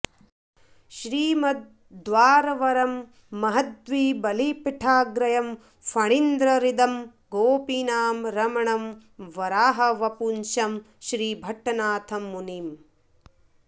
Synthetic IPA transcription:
ʃɾiːmɐd̪̚ | d̪ʋaːɾɐʋɐɾɐmː | ɐɦɐt̪̚ʋiːbɐliːpiʈʰaːɡɾɐjɐm | fʰɐɳind̪ɾɐɾid̪ɐm | ɡoːpinaːmɾɐmɐɳɐm | ʋɐɾaːɦɐʋɐpunʃɐm | ʃɾiːbʱɐʈːɐnaːt̪ʰɐmːuniːm

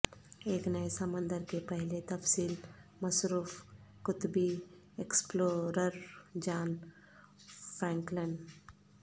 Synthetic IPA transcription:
eːknəesəmə̃nd̪əɾkepəɦlet̪ɐfsiːlmɐsɾuːfkʊt̪bi | eksploːɾəɾd͡ʒaːn | pʰɾɛ̃ːŋkləɳɖ

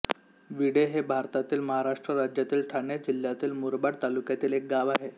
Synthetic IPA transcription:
ʋiɽeɦebʱaɾt̪at̪iːlməɦaɾaʂʈɾəɾad͡ʑjat̪iːlʈʰaɳed͡ʑil̤jat̪iːlmuɾbaɽt̪alukjat̪iːlek̚ɡaʋaɦe

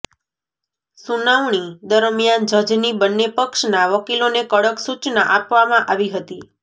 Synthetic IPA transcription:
sunaʋɳ̃id̪əɾmijand͡ʒəd͡ʒnibənːepəkʃnaʋəkilonekəɽəksut͡ʃnaʔapʋamãʔaʋiɦət̪i

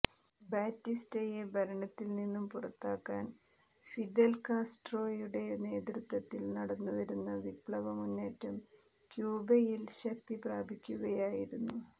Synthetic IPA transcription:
baːtːistejebʱɐɾɐɳɐt̪ːilninːumpurɐt̪ːaːkːaːn | fid̪elkaːsʈro̞ːjuɽe̞ne̞ːd̪rut̪ʋɐt̪ːilnɐɽɐnːuʋɐɾunːɐʋipɭɐʋɐmunːeːtːɐm | kjuːbɐjilɕɐk̚t̪ipraːbʱikʲːuɣɐjaːjiɾunːu

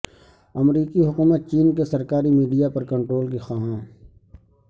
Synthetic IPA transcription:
ɐmɾiːkiɦʊkuːmət̪̚t͡ʃiːnk̬esɐɾkaːɾimiːɖijapɐɾkɐ̃ɳʈɾoːlkixaɦãː

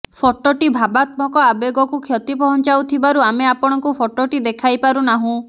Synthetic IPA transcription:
pʰɔʈoʈibʱabat̪mɔkɔabeɡɔkukʰjɔt̪ipɔɦɔnt͡ʃawt̪ʰibaɾuameapɔɽ̃ɔŋkupʰoʈoʈid̪ekʰajpaɾunaɦũ

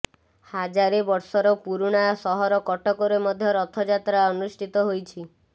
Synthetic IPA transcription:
had͡ʒaɾebɔɾsɔɾɔpuɾuɽ̃ajɔsɔɦɔɾɔkɔʈɔkɔɾemɔd̪ʱjɔɾɔt̪ʰɔd͡ʒat̪ɾaɔnusʈʰit̪ɔɦojt͡ʃʰi

